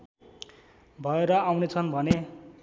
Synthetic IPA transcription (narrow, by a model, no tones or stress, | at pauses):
bʱʌeɾʌawnet͡sʰʌnbʱʌne